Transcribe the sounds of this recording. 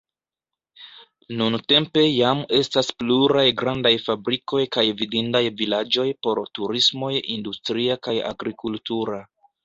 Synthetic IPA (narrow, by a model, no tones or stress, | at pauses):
nunte̞mpe̞jame̞staspluɾajɡɾandajfabɾiko̞jkajvidindajvilad͡ʒo̞jpo̞ɾtuɾismo̞jindustɾiakaja̰ɡɾikultuɾa